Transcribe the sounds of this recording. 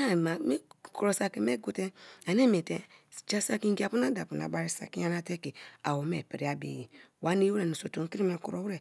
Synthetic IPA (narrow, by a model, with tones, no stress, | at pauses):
a˨ma˨me˦ku˨ɾo˨sa˨ki˨me˦ɡu˨tɛ˦a˨ne˦me˨te˦d͡ʒa˦sa˦ki˦ŋ˦ɡi˦˨a˨pu˦na˦da˨pu˨na̰˨ba˦ɾi˦sa̰˨ki˦ja˦na˦tɛ˦ke˨a̰˨wo˨me˨pe˨ɾi˦a˦bḛ˨ji˨wa˨˦ni˦wu˦ɾɛ˨nu˨so˨to˨ŋ˦ki˦ɾi˦me˨kṵ˨ɾo˨wu˦ɾɛ˨